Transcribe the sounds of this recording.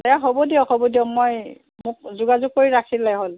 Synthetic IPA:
tɛjaɦobɔdiɔxɔbɔdijɔmoj | mʊk̚zuɡazʊk̚koɹiɹakʰilɛjɦol

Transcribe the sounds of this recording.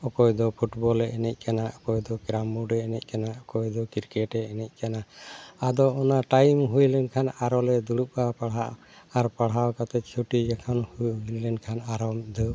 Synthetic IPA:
ɔkɔjd̪ɔpʰuʈbɔlɛʔɛnɛc̚ˀkanaɔkɔjd̪ɔkɾamuɖɛːnɛc̚ˀkanaʔɔkɔjd̪ɔkiɾkɛʈɛːnɛc̚ˀkanaad̪ɔɔnaʈajmɦujlɛnkʰanaɾɔlɛd̪uɽuʔ̚apaɽɦaʔ | aɾpaɽɦawkat̪ɛt͡ʃʰuʈid͡ʒakʰanhulɛnkʰanaɾɔmd̪ɔ

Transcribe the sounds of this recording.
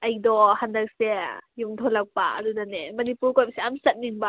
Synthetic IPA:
ʔɐjdɔhandak̚sɛjumt̪ʰɔlɐk̚pa̰ʔɐ̰dudanɛmɐnipuɾkɔj̚sɛʔamsɐt̚ninba

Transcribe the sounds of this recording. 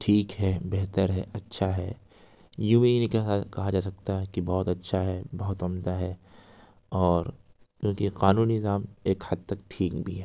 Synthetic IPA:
ʈʰiːkɦɛbɛɦt̪əɾɦɛ̰ʔɐtːʃʰaɦɛː | juminikakɐɦad͡ʒaːsɐk̚t̪aɦɛkibɔːt̪ɐtːʃʰaɦɛbɐɦʊt̪ɐmd̪aɦɛ | ɔːɾ | kjõːkiqaːnuːninɪzaːmeːkhɐd̪̚t̪ɐk̚ʈʰiːkbʱiɦɛː

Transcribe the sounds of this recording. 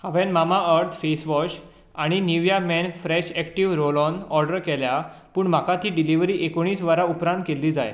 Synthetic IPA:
haʋɛ̃nmamaʔəɾt̪ʰfesʋɔɕ | aɽ̃iniʋjamɛnfɾɛɕɛkʈiʋɾolɔnɔɾɖəɾkɛlja | puːɳm̤akat̪iːɖiliʋɾiːʔekoɽ̃iːsʋaɾaupɾãnt̪kelːiːd͡za̰j

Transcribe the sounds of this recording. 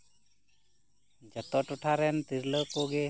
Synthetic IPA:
d͡ʒət̪ɔʈɔʈʰaɾɛnt̪iɾləkoɡe

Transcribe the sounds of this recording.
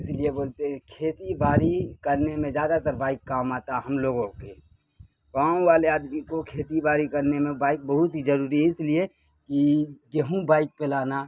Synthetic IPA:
ɪslieboːlt̪eɦɛ̃kʰeːt̪ibaːɾikəɾnemẽzjaːd̪at̪əɾbaːɪkːaːmaːt̪aɦɐmloːɡõke | paːõʋaːleaːd̪mikokʰeːt̪ibaːɾikɐɾnemẽbaːɪk̚bəɦʊt̪ɦizɐɾuːɾiɪslie | kiɡeɦũbaːɪk̚pelaːna

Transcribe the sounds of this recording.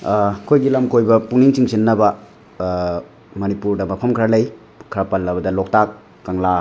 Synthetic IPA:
kʰojɡilɐmkojbɐpuŋniŋsiŋsinːɐbɐ | mɐnipuɾdɐmɐpʰɐmkʰɐɾɐlɐj | kʰɐɾɐpɐlːɐbɐdɐlok̚takː | aŋla

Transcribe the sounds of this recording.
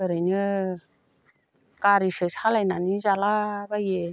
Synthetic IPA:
əɾajnɯ | kaɾiʂɯt͡sʰalajnanizalabaje

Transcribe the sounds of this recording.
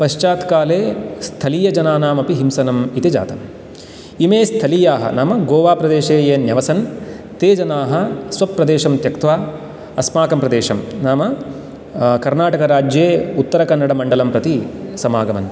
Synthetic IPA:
pɐʃt͡ʃaːt̪kaːleːst̪ʰɐlijɐd͡ʒɐnaːnaːmɐpiɦimsɐnɐmit̪ed͡ʒa̰ːt̪ɐm | imeːst̪ʰɐlijaːɦɐ̰naːmɐɡoːʋaːpɾɐd̪eːʃeːjeːnjɐʋɐsɐn | t̪eːd͡ʒɐnaːɦɐ̆sʋɐpːɾɐd̪eːʃɐmt̪jɐkt̪ʋaː | ɐsmaːkɐmpɾɐd̪eːʃɐmnaːmɐ | kɐɾnaːʈɐkɐɾaːd͡ʒjeːut̪ːɐɾɐkɐnːɐɽɐmɐɳɖɐlɐmpɾɐt̪isɐmaːɡɐmɐ̰n

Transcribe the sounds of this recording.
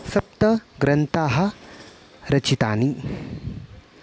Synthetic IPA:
sɐp̚t̪ɐɡɾɐnt̪aːɦɐ̆ | ɾɐt͡ʃit̪aːni

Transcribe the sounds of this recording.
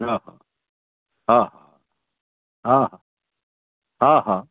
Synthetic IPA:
ɦãːɦã̰ | ɦãɦã̰ | ɦãɦã | ɦãɦã

